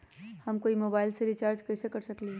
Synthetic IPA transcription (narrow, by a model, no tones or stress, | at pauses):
hɐmkoːimoːbaːɪlseɾit͡ʃaːɾd͡ʒkɛsekɐɾsəkli